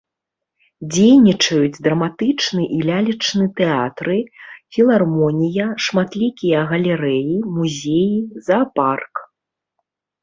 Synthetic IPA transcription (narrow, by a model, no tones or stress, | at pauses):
d͡zʲejnʲit͡ʂɐjud͡zʲd̪ɾɐmat̪ɨt͡ʂnɨʔilʲalʲit͡ʂnɨt̪ɛat̪ɾɨfʲilˠarmɔnʲijɐʂmat̪lʲikʲijɐɣɐlʲɛɾɛjimuzʲejizɐpark